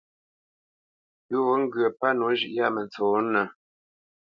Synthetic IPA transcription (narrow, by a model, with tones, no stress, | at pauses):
pʉ˦wo˦ŋ̩˦ɡɰə˨pa˦nu˨˦ʒʉ˨ʔja˦˨mə˨nt͡soː˨˦nə˨